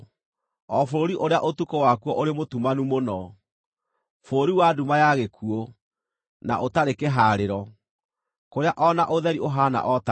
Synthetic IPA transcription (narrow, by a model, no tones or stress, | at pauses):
ɔfoɾoɾiʔoɾeaʔotukowakuɔʔoɾemotumanumonɔ | foɾoɾiwadumajaɣekʰuɔ | na̰ʔotaɾekeɦaːɾeɾɔ | koɾeaʔɔnaʔoðɛɾiʔoɦana̰ʔɔta